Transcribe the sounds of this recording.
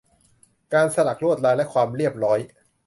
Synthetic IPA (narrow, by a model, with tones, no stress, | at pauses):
kaː˧nsa˧la˨˩k̚ɾu˥˩ət̪̚laː˧jlɛ˦˥kʰwaː˧mɾi˥˩əp̚ɾɔː˦˥j